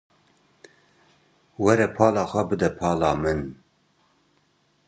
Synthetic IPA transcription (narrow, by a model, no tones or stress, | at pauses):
wɛɾɛpʰɑːlɑːxʷɛbɨd̪ɛpʰɑːlɑːmɨn